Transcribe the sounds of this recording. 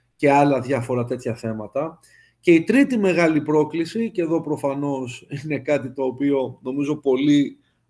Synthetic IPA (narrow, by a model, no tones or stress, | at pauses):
ce̞ɐlɐðʝɐfo̞ɾɐt̪e̞t̪çɐθe̞mɐt̪ɐ | ce̞it̪ɾit̪ime̞ɣɐlipɾo̞klisice̞ðo̞pɾo̞fɐno̞sine̞kɐt̪it̪o̞ːpio̞no̞mizo̞po̞li